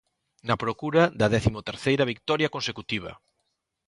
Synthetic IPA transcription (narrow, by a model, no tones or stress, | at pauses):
nɐpɾokuɾɐd̪ɐðɛθimot̪eɾθejɾɐβik̚t̪ɔɾjɐkõnsekut̪iβ̞ɐ̰